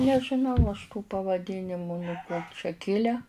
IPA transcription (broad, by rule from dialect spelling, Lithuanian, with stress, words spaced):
nʲɛʒʲɪˈnɐʊ ɐʃ tuː pɐʋɐˈdʲɪnʲɪmʊ nuɔ ˈkoː t͡ʃʲɛ ˈkʲɪlʲɛ